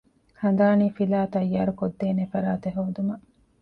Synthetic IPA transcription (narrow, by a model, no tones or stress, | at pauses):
hɐn̆d̪aːniːfilaːt̪ɐjːaːɾukod̪ːeːnefɐɾaːt̪eɦoːd̪umɐ